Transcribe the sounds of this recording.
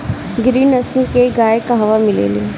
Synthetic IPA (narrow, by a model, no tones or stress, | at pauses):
ɡɾiːnɐsmkeɡaːekaɦɐʋamɪlḛːle